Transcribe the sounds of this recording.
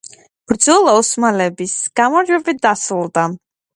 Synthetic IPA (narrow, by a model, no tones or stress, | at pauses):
b̥ɾd̪zɔlˠaɔsmalɛbisɡ̥amɔɾd͡ʒwɛbit̪̚d̪asɾulˠd̪a